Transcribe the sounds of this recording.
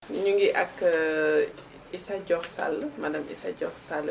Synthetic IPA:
ɲuŋɡiʔɐk | isɐɟɔxsa̰lmadɐmḭsɐ̰ɟɔxsal

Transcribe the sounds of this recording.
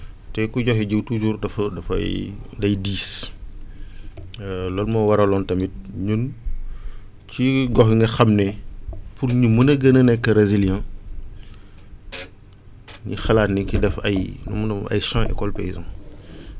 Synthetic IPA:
tɛkuɟɔxiɟiwtud͡ʒuːrdɐfɐdɐfɐ̰jdɐjdiːs | lɔːlmɐwɐɾɐlɔntɐmit̚ɲun | ciɡɔxŋɡɐxɐmnɛpurɲumɐnɐɡɐnɐnɛkːɐɾezilijɛ̃ | ɲixɐlaːtniŋkidɛfɐ̰jnumunɐɐ̰jʃãʔɛ̰kɔlpɛjzɐm

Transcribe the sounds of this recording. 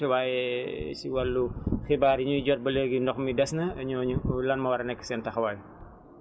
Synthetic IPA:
iwaːjɛsiwɐlːuxibaːɾiɲuɟɔt̚bɐleɡindɔxmidɛsnɐɐɲɔːɲulɐnmɐwɐɾɐnɛkːə̥sɛntɐxɐwaːj

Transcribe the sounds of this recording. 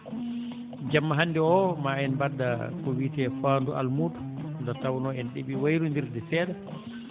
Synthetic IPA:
d͡ʒamːaɦanːdɛɔmaɛnbadakɔwiːtɛfanduʔa̰lmudu̥ndatawnɔɛnɗiɓiwajɾundiɾdɛsɛːda

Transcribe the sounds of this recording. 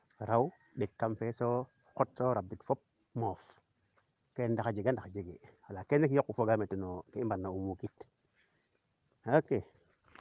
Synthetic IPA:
ɾaw | ɗekːamfeso | kot̚soɾab̚dikfop̚ | mof | kendakad͡ʒeɡandaad͡ʒeɡewalakenekiokːufoɡametenokembanːaumukit | ake

